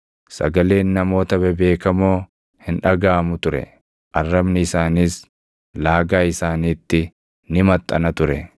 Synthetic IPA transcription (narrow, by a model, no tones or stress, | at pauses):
sɐ̰ɡɐle̞ːnːɐmo̞ːt̪ɐbɛbe̞ːkɐmoː | hɪnᶑɐɡaːmʊt̪ʊɾɛ̰ | ʔɐrːɐbnɪɪsaːniːs | laːɡaːɪsaːniːt̪ːɪ | nɪmɐt̪ʼːɐ̰nɐt̪ʊɾɛ